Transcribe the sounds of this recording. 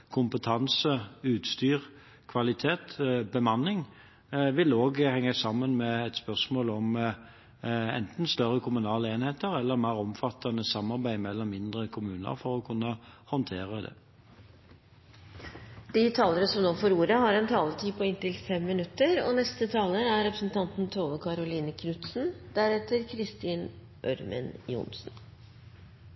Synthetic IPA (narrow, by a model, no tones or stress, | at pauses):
kʰʊmpət̪ʰɑnsəʉːt̪st̪yːʁ | kʰʋɑlɪt̪ʰeːt̪bəmɑnːɪŋ | ʋɪloːɡhɛŋːəsɑmːənmɛɛt̪spœsmoːlɔm | ɛ̰nt̪n̩st̪œɾːəkʰʊmʉnɑːləeːnheːt̪əɾɛlːəʁmæːʁɔmfɑt̪ʰːɑnəsɑmːɑɾbæɪmɛlːəmɪnd̪ʁəkʰʊmʉːnə̰ɾfɔɾɔkʰʉnːəhɑnt̪ʰeːʁəd̪ɛ̰ː | d̪̥it̪ʰɑːləɾəsɔmnoːfoɾuːɾəhɑɾɛnt̪ʰɑːlət̪ʰiːpʰɔɪnt̪ɪlfɛmːɪnʉt̪ːəɾo̰ːnɛst̪ət̪ʰɑːləɾæɾɾɛpɾəsn̩t̪ʰɑnt̪n̩t̪ʰoːʋəkʰɑɾʊliːnəkʰnʉt̪sn̩d̪æɾɛt̪əɾkʰɾɪst̪iːn | ʔœɾmə̰njʊ̰ːnsn̩